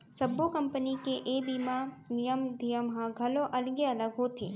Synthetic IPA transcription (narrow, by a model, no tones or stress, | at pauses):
sɐbokɐ̃mpənikeʔebimanijəmd̪ʱijəmɦãɡʱɐloʔɐlɡeɐləɡɦot̪ʰeː